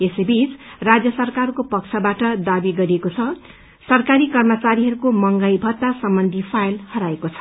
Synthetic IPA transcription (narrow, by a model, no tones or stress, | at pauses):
esejbit͡srad͡zjʌsʌrkarkopʌk̚t͡sʰʌbaʈʌd̪abiɡʌɾiekot͡sʰʌ | sʌrkaɾikʌrmʌt͡saɾiɦʌɾukomʌŋɡʌjbʱʌt̪ːasʌmbʌnd̪ʱipʰajlhʌɾaekot͡sʰʌ̥